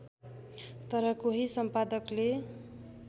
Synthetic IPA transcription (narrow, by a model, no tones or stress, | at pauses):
t̪ʌɾʌkoɦisʌmpad̪ʌkle